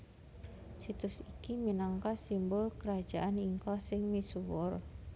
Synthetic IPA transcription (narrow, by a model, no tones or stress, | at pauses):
sit̪ʊsikiminaŋkasimbʊlkəɾḁd͡ʒ̥aʔaniŋkɔsɪŋmisuwʊr